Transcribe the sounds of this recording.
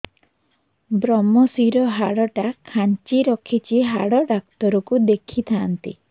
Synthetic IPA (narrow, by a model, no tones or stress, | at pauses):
bɾɔmɔsiɾɔɦaɽɔʈakʰant͡ʃiɾɔkʰit͡ʃiɦaɽɔɖak̚t̪ɔɾɔkud̪ekʰit̪ʰaːnt̪ḭ